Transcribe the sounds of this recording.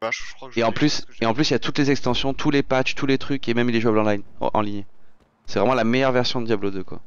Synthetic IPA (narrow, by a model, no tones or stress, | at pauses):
eɑ̃plyseɑ̃plysiljat̪ut̪lezɛkst̪ɑ̃sjɔ̃t̪ʰulepat͡ʃt̪ulet̪χykemɛmileʒuablɑ̃lajn̰ʔɑ̰̃liɲ | sɛvʁɛmɑ̃lamejœʁvɛʁsjɔ̃d̪d̪jablod̪økwa̰